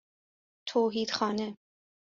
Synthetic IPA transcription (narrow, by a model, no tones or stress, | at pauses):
t̪ʰoːɦiːd̪̥xɒːne